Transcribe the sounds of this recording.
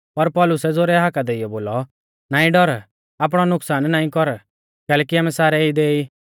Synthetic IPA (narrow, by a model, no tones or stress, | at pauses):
pɐɾpɔlʊsɛd͡zoːɾɛɦakad̪eɪjɔboːlɔ | naːĩɖɔɾ | aːp̬ɽ̃ɔnʊksaːnnaːĩkɔɾ | kɛːlɛːkiaːmɛ̃saːɾɛid̪eːiː